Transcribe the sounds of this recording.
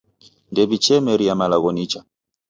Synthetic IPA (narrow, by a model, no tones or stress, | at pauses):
ndɛbit͡ʃɛmɛɾiamalaɣɔnit͡ʃa